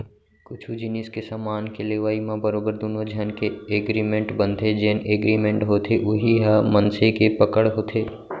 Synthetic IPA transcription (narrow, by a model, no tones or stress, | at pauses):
kʊt͡ʃʰud͡ʒɪniskesamaːnkeleːʋaːimãbəɾoːbəɾd̪oːnod͡ʒʱɐnkeeːɡɾimẽɳʈbə̃nt̪ʰed͡ʒeːneːɡɾimẽɳʈɦoːt̪ʰeʔʊɦiɦamənsekepəkəɽɦoːt̪ʰeː